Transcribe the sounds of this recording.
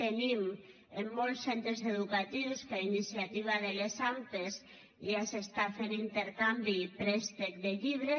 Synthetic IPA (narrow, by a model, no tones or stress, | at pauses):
t̪enim | emːolssent̪ɾezeðukat̪iwskainisjat̪iβ̞aðelesant̪es | asest̪afenint̪eɾkambipɾest̪ek̚d̪eʎiβ̞ɾe